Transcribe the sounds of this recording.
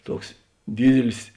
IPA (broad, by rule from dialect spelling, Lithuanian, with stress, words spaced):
ˈtuɔks ˈdʲiːdʲɪlʲɪs